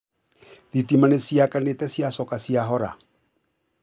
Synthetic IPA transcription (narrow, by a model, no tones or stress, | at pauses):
ðitimanesiakanetɛsiasɔkasiaɦɔɾa̰